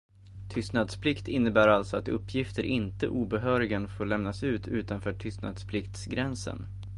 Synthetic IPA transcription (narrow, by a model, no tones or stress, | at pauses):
t̪ʰʏst̪nad̪spʰlɪkt̪ʰɪnːəbæːɾalt̪sɔat̪ɵpːjɪft̪əɾʔɪnt̪əʔuːbɛɦœːɾɪɡənfoːɾɭɛmnasʉ̟ːt̪ʰʉ̟ːt̪anfœːʈʰʏst̪na̰d̪spʰlɪkt̪sɡɾɛnsə̰n